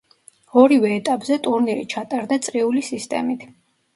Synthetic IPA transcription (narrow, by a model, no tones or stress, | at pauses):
ɔɾivɛːt̪ʼapʼzɛt̪ʼuɾniɾḭt͡ʃʰat̪ʼaɾd̪at̪sʼɾiulisist̪ʼɛ̰mit̪ʰ